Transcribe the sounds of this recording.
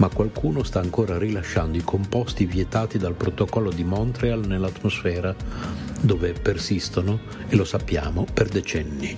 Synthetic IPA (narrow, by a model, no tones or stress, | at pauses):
makːwalkʰuːnost̪aːŋkoːɾarilaʃːand̪oikʰompɔst̪ivjɛt̪aːt̪id̪alpɾot̪okɔlːod̪imɔnt̪ɾealnelːat̪ːmosfɛːɾa | d̪oːvepersist̪ono | elosapːja̰ːmoperd̪et͡ʃɛnːi